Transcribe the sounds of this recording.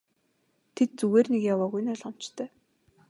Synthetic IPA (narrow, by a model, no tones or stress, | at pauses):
t̪ʰet̪̚t͡suɣeːrnekjawaːɣujnʊɮɔm̥t͡ɕt̪ʰœː